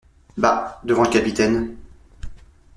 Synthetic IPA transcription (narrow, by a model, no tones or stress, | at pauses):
bad̪əvɑ̃ləkapit̪ɛn